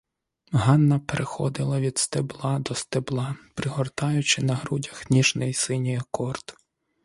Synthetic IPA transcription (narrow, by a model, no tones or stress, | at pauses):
ɦɑnːɐpeɾʔexɔ̰d̪ɪlˠɐʋʲid̪st̪eblˠɑd̪ɔst̪eblˠɑpɾɪɦɔrt̪ɑjʊt͡ʃɪnɐɦɾudʲɐxnʲiʒnɪjsɪnʲijɐkɔrt̪